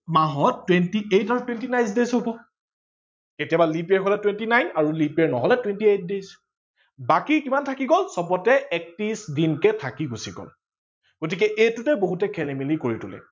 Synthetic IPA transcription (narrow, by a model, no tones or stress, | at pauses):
maɦɔtːwentiejtaɹutwentinaj̃sdezɦobɔ | ketijabalipeɹɦɔlɛtwentinajnaɹulipeɹnɔɦɔlɛtwentiet̚dez | bakikimantʰakiɡɔlsɔpɔtɛɛk̚tisdinkɛtʰakiɡusiɡɔ̰l | ɡ̥ot̬ikɛʔejtutɛboɦutɛkʰɛlemilikoɹitulɛ̰